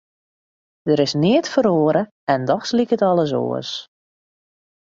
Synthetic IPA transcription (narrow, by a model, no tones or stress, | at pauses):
d̥əɾɪsnɪətfəɾoːəɾə | ɛndɔxslikətɔlˠəs̬o̰ːəs